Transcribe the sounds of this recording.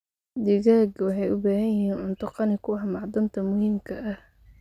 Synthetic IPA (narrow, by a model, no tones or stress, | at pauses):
d̪ɪɣaːɡwɑħɑjʊbaːhɐjɪɦiːnʕʊnt̪ʰʊqɑnɪkʰʊɑħmɑʕd̪ɐnt̪ʰɐmʊhiːmkʰɐʔɐh